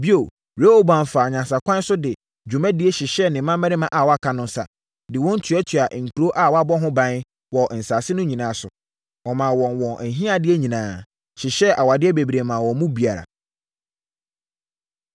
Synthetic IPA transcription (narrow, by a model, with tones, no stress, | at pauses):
bi˦o˨ | e˦o˦bã˨n˨faː˨ɲã˨sa˨kʷʰã˦n˦sʊ˦dɪ˨ | d͡ʑᶣu˨mæ̃˦dɪ˦e˦ɕɪ˨ɕɛ˦nɪ̃˨˦mã˦mɛ̃˦ɪ̃˦mã˦ʔa˨wɔ˨˦a˦kʰa˦nʊ̃˦n˦sa̰˨ | dɪ˨wɔ̃˦n̩˦tʰɥɛ˦tʰɥa˨ŋ̩˨kʰu˨ɾo˦ʔa˦˨wɔ˦a˦bɔ˦ɦʊ̃˦bã˦n˦ | wɔ˨n̩˨saː˨sɪ˦nʊ̃˦ɲĩ˨nãː˨˦sʊ̰˨ | ɔ˨mã˨wɔ̃˨nwɔ̃˨n˨ɦĩ˦a˦dɪ˦e˦ɲĩ˨nãː˨˦ | ɕɪ˨ɕɛ˦ʔa˨wa˨dɪ˦ɛ˦be˨bi˨ɾe˨mãː˨wɔ̃˨˦mũ˦bi˨a˨ɾa̰˨